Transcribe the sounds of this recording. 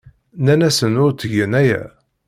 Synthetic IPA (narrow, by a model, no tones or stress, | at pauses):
nænæsənʊɾt̪əʝənæjæ̰